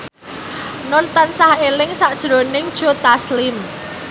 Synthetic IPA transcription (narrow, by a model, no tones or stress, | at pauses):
nɔnt̪ɔnsahelɪŋsaʔd̥ʒ̥ɾo̤nɪŋd̥ʒ̥o̤t̪aslɪm